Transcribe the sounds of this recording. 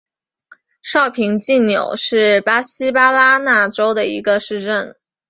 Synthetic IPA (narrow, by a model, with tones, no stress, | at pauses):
ʂɑ˥˩ʊpʰi˧˥ŋt͡ɕi˥˩njo̰˨˩ʊʂɻ̩˥˩pa˥ɕi˥pa˥la˥na˥˩ʈ͡ʂo˥ʊd̪ə˨ḭ˧˥ɡə˧ʂɻ̩˥˧ʈ͡ʂə˥˩n